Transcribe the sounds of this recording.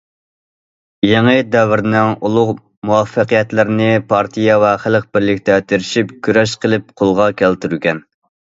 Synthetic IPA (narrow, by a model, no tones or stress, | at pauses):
jeŋɨd̪ɛvɪɾnɪŋulˠʊʁ | muwɑfːəqijɛt̪lɪɾɪnɪpʰɑɾt̪ʰijɛvɛχælq̚bɪɾlɪkʲt̪ɛt̪ʰeɾɪʃipkʲʰyɾɛʃqʰəlˠɪp̚qʰolˠʁɑkʲʰælt̪yɾykʲɛn